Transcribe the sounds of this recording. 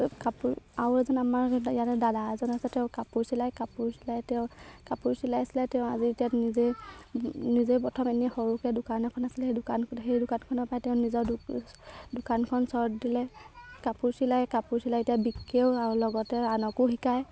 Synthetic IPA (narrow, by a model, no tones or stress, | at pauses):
kapuɹawɛzɔnamaɹijatɛdadazɔnasɛtɛʊ̃kapuɹsilajkapuɹsilajtɛʊ̃kapuɹsilajsilatɛʊ̃azietijanize | nizepɔtʰɔmɛniaxɔɹukɛdʊkanɔkʰɔnasilɛejdʊkanxejdʊkankʰɔnɔpajtɛʊ̃nizɔd | dʊkankʰɔnsɔɹtdilɛkapuɹsilajkapuɹsilajetijabikːeʊalɔɡɔtɛanɔkʊxikaj